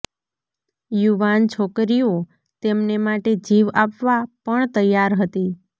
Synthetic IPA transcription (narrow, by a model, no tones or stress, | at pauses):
juʋant͡ʃʰokɾio | t̪emnemaʈed͡ʒiʋapʋapəɳt̪əjaɾɦət̪i